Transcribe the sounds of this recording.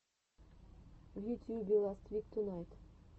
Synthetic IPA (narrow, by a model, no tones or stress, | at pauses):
vjut̪ʲjubʲilˠast̪vʲikt̪unajt̪